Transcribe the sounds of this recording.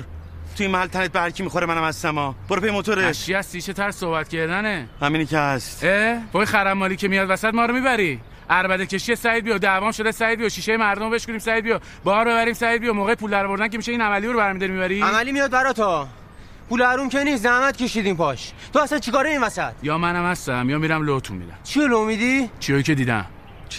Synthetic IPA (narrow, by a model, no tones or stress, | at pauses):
ɾ | t̪ʰuinmæhælt̪ʰænet̪̚behæɾcʰimixoɾemænæmæzsæmɒːb̥oɾepʰejemot̪ʰoɾeæʃiæsiːʃet̪ʰæɾssohbæt̪kcʰeɾd̪ænehæminikehæst̪eboxæɾæmːɒːliːcʰemijɒːd̪væsæt̪mɒːɾomibæɾi | ʔæɾbæd̪ecʰʲe̞ʃiesæjd̪bijod̪ævɒːmʃo̞d̪esæɾd̪bijoʃiːʃejemæɾd̪omobe̞ʃkud̪iːmsæd̪bijo | bɒːɾbe̞βæɾiːmsæɾid̪̚bijomoːɣejpʰuːld̪æɾɔːvo̞ɾd̪ænce̞miʃeiːnæmælijoɾobæɾmid̪ɒɾimibæɾiæmæliːmijɒːd̪bæɾɒːt̪ʰɒ | pʰulæɾumkeniːszæhmæt̪cʰeʃid̪iːmpɒʃ | t̪ʰoæsænt͡ʃʰikɒːɾeiːnvæsæt̪jɒːmænæmhæst̪æmjɒːmiɾæmlot̪ʰṵmmḭd̪æ̰mt͡ʃʰiolomid̪it͡ʃʰiojice̞d̪iːd̪æ̰m